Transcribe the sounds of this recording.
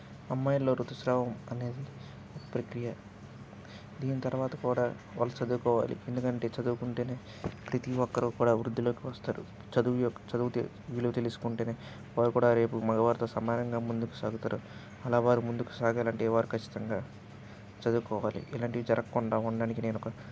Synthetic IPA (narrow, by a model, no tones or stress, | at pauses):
ɐmːaːjɐlo̞ːɾut̪ɐʃɾaːʋɐmɐne̞ːd̪i | okɐ̥pɾɐkɾijɐ | d̪iːnit̪ɐɾʋaːt̪ɐkuːɽaː | ʋaːlːɐt͡ʃɐd̪uːkɔːʋa̰ːlḭend̪ukɐɳʈe̞ːt͡ʃɐd̪uːkuɳʈeːneː | pɾit̪iʋɔkːɐɾɐkuːɽaːʋɾud̪ːiloːkiʋɐst̪aːɾṵ | t͡ʃɐd̪ujɔkːt͡ʃɐd̪uʋt̪ | ʋiːluut̪e̞lisu̥kuɳʈe̞ːneː | ʋaːɾukuːɽaːɾe̞ːpumɐɡɐʋaːɾt̪oːsɐmaːɾɐŋɡaːmund̪uku̥saːɡut̪aːɾu | ɐlaːʋaːɾimund̪uku̥saːɡɐlaːɳʈiʋaːɾukʰɐt͡ʃːi̥t̪ɐŋɡaː | t͡ʃɐd̪uːkɔːʋaːlḭʔɛlaːɳʈiʋid͡ʒɐɾɐkːuɳɖaːuɳɖaːnikine̞ːnɔkɐ